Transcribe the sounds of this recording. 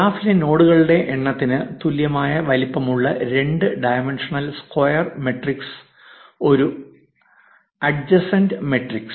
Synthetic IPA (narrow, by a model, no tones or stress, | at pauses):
aːfileno̞ːɽuɣɐɭuɽe̞ʔeɳːɐt̪ːinɨt̪uljɐmaːjɐʋɐlipːɐmuɭːɐɾe̞ɳɖɨɖɐjmenʂɐɳɐlskɐjɐrme̞ʈriks | o̞ɾu | ɐɖd͡ʑɐsɐndɨme̞ʈriks